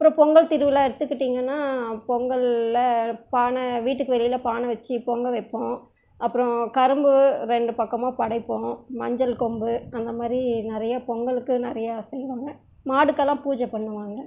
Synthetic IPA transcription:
ɐɐpːɯɾɔ̃pɔŋɡɐɭt̪ɪɾɯʋɯlaːɪɾɯt̪ːɯkːɪʈːiːŋɡɐnːaːpɔŋɡɐɭːɐpaːnɐʋiːʈːɯkːɯʋɛlɪjɪlɐpaːnɐʋɐt͡ʃːɯpɔŋɡɐʋɐɪpːõː | ʔɐpːɯɾɔ̃kɐɾɯmbɯɾɛɳɖɯpɐkːɐmõːpɐɽɐɪpːõːmɐɲd͡ʒɐlkɔmbɯɐnd̪ɐmaːd̪ɾinɪɾɐjapɔŋɡɐɭɯkːɯnɪɾɐjaːsɛjːɯʋaːŋɡɐ | maːɽɯkːɐlːãːpuːd͡ʒɛpɐɳːɯʋaːŋɡɐ

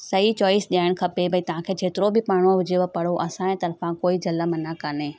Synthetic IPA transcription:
sɐɦit͡ɕɔːɪsɗijaːɪɽ̃kʰɐpebʱɐit̪ɐʋ̤ãkʰeːt͡ʃʰeːt̪ɪɾobʱɪpaːɽ̃õʋʊd͡ʑeʋəpɐɽ̤oʔɐsãẽt̪ɐɾfãkoːid͡ʒɐləmɐnakɐneː

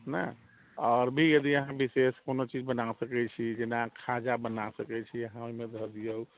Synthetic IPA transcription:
na̰ | ɔːɾbʱijəd̪iəɦãbiseskonot͡ʃid͡ʒbənasəkɛt͡ʃʰid͡ʒenakʰad͡ʒabənasəkɛt͡ʃʰiəɦãomẽd̪ʱəd̪ijəu

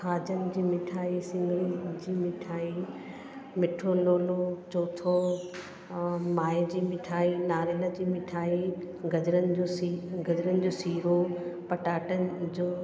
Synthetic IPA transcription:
hʰaːd͡ʑənɪ̆d͡ʑiːmɪʈʰaːisɪ̃ŋɡɾid͡ʑiːmɪʈʰaːi | mɪʈʰoːloːlot͡ɕoːt̪ʰo | maːd͡ʑiːmɪʈʰaːinaːɾeləd͡ʑiːmɪʈʰaːi | ɡɐd͡ʑɾənɪd͡ʑoiɡɐd͡ʑɾənɪ̆d͡ʑoːsiːɾopɐʈaːʈənɪ̆d͡ʑoː

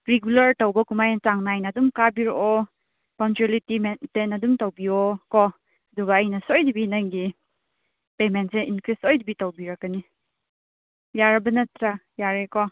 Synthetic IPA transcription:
ɾeɡulɐɾtɐwbɐkumajɐtaŋnajnɐːdumkabiɾɔʔɔ | paŋtuelitimentenɐdumtɐwbiɔkɔ | ɐduɡɐːjnɐsojdibinajŋɡi | pementseinkɾisɔjdibitɐwbiɾakani | jaɾɐbɐnɐtɾa | jaɾekɔ

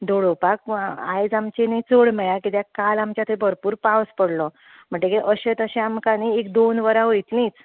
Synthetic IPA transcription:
d̪oɽopak̚a̰jd͡zamt͡ɕenĩt͡səɽmɛjakit̪jakalamt͡ɕat̪ʰebʱəɾpuːɾpawspəɽlɔ | m̤əɳʈekeʔəɕet̪əɕẽamkaniek̚d̪onʋəɾaɦoit̪lĩt͡s

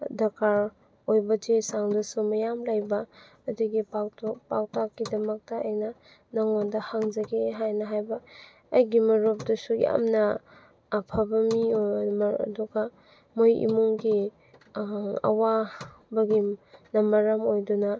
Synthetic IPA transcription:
dɐkaɾ | ojbɐtesaŋdɐsumɐjamlajbɐː | duɡipatpa̰wtakːidɐmɐk̚tɐːjnɐ | nɐŋondɐhaŋzɐɡeɦajnɐɦajbɐː | jɡimɐɾup̚dɐsuja̰mnɐ | pʰɐbɐmim̰duɡɐ | mojḭmuŋɡi | ɐ̰wabɐɡinɐmɐɾamojdunɐ

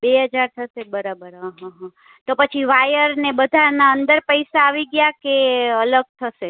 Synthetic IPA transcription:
beɦəd͡ʒaɾt̪ʰəsebəɾabəɾɦãɦãɦə̃ | t̪opət͡ʃʰiʋajəɾnebəd̪ʱanaənd̪əɾpəjsaːʋiɡjakeələɡ̚t̪ʰəʃe

